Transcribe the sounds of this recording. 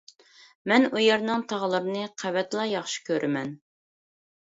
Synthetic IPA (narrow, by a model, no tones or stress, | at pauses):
mɛnujɛɾnɨŋt̪ʰɑʁlˠɨɾɨnɨqʰævɛt̪lˠɑjɑχʃi̥kʲʰøɾʔɪmɛn